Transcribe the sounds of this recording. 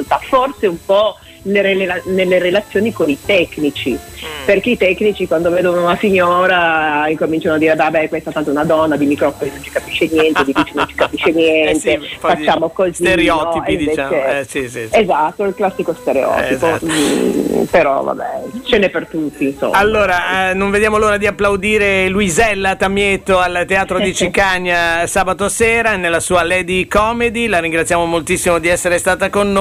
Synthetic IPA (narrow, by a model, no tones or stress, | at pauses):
lt̪aforseumpɔ | neɾelelanelːeɾelat̪sːjoːnikonit̪ɛkːnit͡ʃiperkeit̪ɛkːnit͡ʃikwand̪oveːd̪onounasiɲːoːɾaiŋkomint͡ʃanoad̪ːiːɾevabɛkwest̪at̪ant̪ounad̪ɔnːad̪imikɾɔfolinõnt͡ʃi̥kapiʃːenjɛnt̪ed̪ifit͡ʃːinont͡ʃi̥kapiʃːenjɛɛnt̪efat͡ʃːaːmokoziɔeiɱveːt͡ʃe | ezat̪ːoilklasːikost̪eɾeɔ̰t̪izo | peɾɔ̰va̰bɛ̰t͡ʃenepert̪ut̪ːiːnso̰malːoːɾanoɱved̪jaːmoloːɾad̪iapːlawd̪iːɾeluizɛlːat̪amjet̪ːoalt̪ːeaːt̪ɾod̪it͡ʃikaɲːasaːbat̪oseːɾanelːasuːalɛːd̪ikɔmed̪ilaɾiŋɡɾat̪sjaːmomolt̪isːimod̪iɛsːeɾest̪aːt̪akonːo